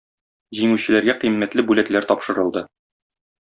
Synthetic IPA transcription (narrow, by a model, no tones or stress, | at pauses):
ʑiŋʉɕɘ̆læɾɡæqimːæt̪lɘbʉlæt̪læɾt̪ɒpʃɤ̆ɾɤ̆lˠd̪ɤ